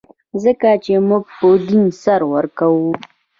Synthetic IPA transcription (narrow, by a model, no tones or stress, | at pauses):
zəkat͡ʃemuɡ̚pəd̪insaɾwəɾkawu